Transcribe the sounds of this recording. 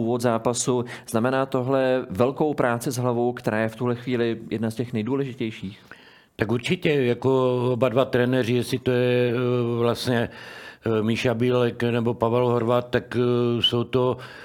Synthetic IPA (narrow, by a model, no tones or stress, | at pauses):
uːvot̪zaːpasuz̥namɛnaːt̪o̞ɦlɛvɛlko̞wpɾʔaːt͡sɪzɦlavowkt̪ɛɾaːjɛft̪uɦlɛxviːlɪjɛdnascɛxnɛjduːlɛʒɪcɛjʃiːx | t̪akuɾt͡ʃɪcɛjakoobadvat̪ɾɛnɛrɪjɛsɪt̪ojɛvlast̪ɲɛ | miʃabiːlɛknɛbo̞pavɛlɦoɾvat̪̚t̪ːaksowt̪o